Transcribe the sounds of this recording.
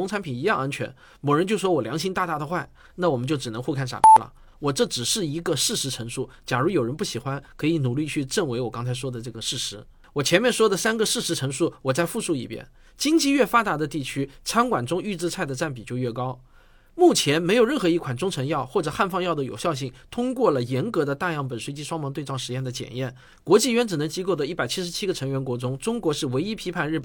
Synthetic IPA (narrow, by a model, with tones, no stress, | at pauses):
ʊ˥ŋt͡sʰa˧˥npʰi˨˩ni˧˥jɑ˥˧ŋa˥nt͡ɕʰɥɛ̰˧˥n | mo˨˩ʊɻə˧˥nt͡ɕjo˥˩ʊʂwɔ˥wɔ˨˩ljɑ˧˥ŋɕi˥ŋt̪a˥˧t̪a˥˩d̪ə˨xwa˥˩ɪ | na˥˩wɔ˨˩mə˦t͡ɕjo˥˩ʊʈ͡ʂɻ̩˨˩nɤ˧˥ŋxu˥˧kʰa˥˩nʂa̰˨˩pjɛ̰˧˥lə̰˨˩ | wɔ˨˩ʈ͡ʂɤ˥˩ʈ͡ʂɻ̩˨˩ʂɻ̩˥˩i˧˥ɡə˧ʂɻ̩˥˩ʂɻ̩˧˥ʈ͡ʂʰɤ˧˥ŋʂu˥˩ | t͡ɕja˨˩ɻu˧˥jo˨˩ʊɻə˧˥npu˥˩ɕi˨˩xwa˥nkʰɤ˧˥i˧˥nu˨˩li˥˧t͡ɕʰy˥˧ʈ͡ʂə˥˩ŋwe˧˥ɪwɔ˨˩kɑ˥ŋt͡sʰa˧˥ɪʂwɔ˥d̪ə˨ʈ͡ʂɤ˥˩ɡə˩ʂɻ̩˥˩ʂɻ̩˧˥ | wɔ˨˩t͡ɕʰjɛ˧˥nmjɛ˥˩nʂwɔ˥d̪ə˨sa˥nɡə˨ʂɻ̩˥˩ʂɻ̩˧˥ʈ͡ʂʰɤ˧˥ŋʂu˥˩wɔ˨˩t͡sa˥˧ɪfu˥˧ʂu˥˩ḭ˨˩pjɛ̰˥n | t͡ɕi˥ŋt͡ɕi˥˧ɥɛ˥˩fa˥t̪a˧˥d̪ə˧t̪i˥˩t͡ɕʰy˥t͡sʰa˥nkwa˨˩nʈ͡ʂʊ˥ŋy˥˧t͡sɹ̩˥˧t͡sʰa˥˩ɪd̪ə˩ʈ͡ʂa˥˩np̬i˨˩t͡ɕjo˥˧ʊɥɛ˥˩kɑ˥ʊ | mu˥˩t͡ɕʰjɛ˧˥nme˧˥ɪo˨˩ʊɻə˥˩nxɤ˧˥i˥˩kʰwa˨˩nʈ͡ʂʊ˥ŋʈ͡ʂʰɤ˧˥ŋjɑ˥˧ʊxwɔ˥˩ʈ͡ʂɤ˨˩xa˥˧nfɑ˥˧ŋjɑ˥˩ʊd̪ə˩jo̰˨˩ʊɕjɑ˥˧ʊɕ̬i˥˩ŋt̪ʰʊ˥ŋkwɔ˥˩lə˩jɛ˧˥nkɤ˧˥d̪ə˧t̪a˥˧jɑ˥˩ŋpə˨˩nʂwe˥˧ɪt͡ɕi˥ʂwɑ˥ŋmɑ˧˥ŋt̪we˥˧ɪɑ˥˩ŋʂɻ̩˧˥jɛ˥˩nd̪ə˩t͡ɕjɛ̰˨˩njɛ˥˩n | kwɔ˧˥t͡ɕi˥˩ɥnʈ͡ʂɻ̩˨˩nɤ˧˥ŋt͡ɕi˥ko˥˩ʊd̪ə˩i˥˩pa˨˩ɪt͡ɕʰi˥ʂɻ̩˧˥t͡ɕʰi˥ɡə˨˧ʈ͡ʂʰɤ˧˥ŋɥɛ˧˥nkwɔ˧˥ʈ͡ʂʊ˥ŋʈ͡ʂʊ˥ŋkwɔ˧˥ʂɻ̩˥˩we˧˥ɪi˥pʰi˧˥pʰa˥˧nɻ̩˥˩pə˨˩